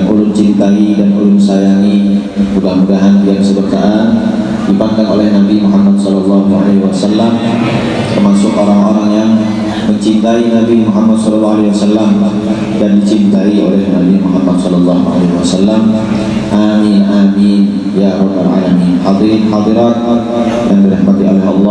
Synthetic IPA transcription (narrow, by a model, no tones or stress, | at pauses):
aŋulʊnt͡ʃint̪aidanulʊnsajaŋi | mudahmudaɦandiaŋsəbərkaʔan | dipandaŋolɛhnabimuɦamːat̪̚sɔlɑlːɑɦuʕa̰lewasalːam | t̪ərmasʊkoɾaŋoɾaŋjaŋ | məɲt͡ʃint̪ainabimuɦamːad̪̚sɔlɔlːɑɦalewasalːam | dandit͡ʃint̪aio̰lɛhnabimuɦamːat̪̚sɔlɔlːɑɦuʕa̰leɦwasalːam | ʔaminamin | jaɾɔbalʕa̰laminhɑd̪inhɑd̪iɾat̪̚ | dandiɾahmat̪iolɛɦɑ̰lːɑ